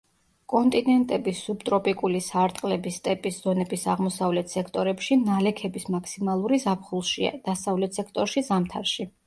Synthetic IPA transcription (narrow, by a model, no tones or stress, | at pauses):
kʼɔnt̪ʼinɛnt̪ʼɛbisubt̪ʼɾɔpʼikʼulisaɾt̪ʼqʼlɛbist̪ʼɛpʼisz̥ɔnɛbisaʁmɔsavlɛt̪ʰsɛkʰt̪ʼɔɾɛpʃinalɛkʰɛbismakʰsimalˠuɾizapʰχulˠʃia̰d̪̥asavlɛt̪ʰsɛk̚ʰt̪ʼɔɾʃizamt̪ʰaɾʃi